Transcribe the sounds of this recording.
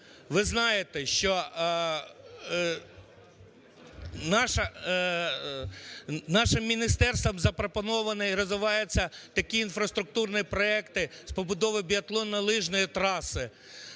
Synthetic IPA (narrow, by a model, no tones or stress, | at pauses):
ʋɪznɑjet̪ɛʃt͡ʃɔ | nɑʃɐ | nɑʃɪmːʲinʲist̪ɛrst̪ʋɔmzɐpɾɔpɔnɔʋɐnɪjɾɔzʋɪʋɑjɛt͡sʲːɐt̪ɐkʲiːnfɾɐst̪ɾʊk̚t̪urnɪpɾɔɛkt̪ɪspɔbʊd̪ɔʋɪbʲiɐt̪lˠɔnːɐlˠɪʒnɔjit̪ɾɑsɪ